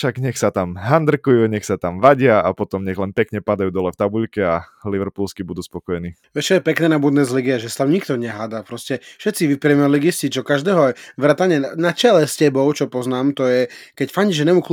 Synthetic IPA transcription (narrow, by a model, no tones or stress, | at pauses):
ʃaɡɲɛxsat̪amɦand̪r̩kujuɲɛxsat̪amʋaɟɪaapɔt̪ɔmɲɛɣlɛnpɛkɲɛpad̪ajuːd̪ɔlɛft̪abuʎkɛaliʋɛɾpulskibud̪uːspɔkɔjɛniːʋɛt͡ʃɔjɛpɛknɛːnabud̪nɛzliɡiaʒɛsḁt̪amɲikt̪ɔɲɛɦaːd̪apɾɔscɛfʃɛt̪siʋipɾiɛmɛliɡiscit͡ʃɔkaʒd̪ɛːɦɔʋɾat̪aɲɛnat͡ʃɛlɛscɛbɔʊt͡ʃɔpɔznaːmt̪ɔjɛkɛcfaɲiʒɛnɛmuk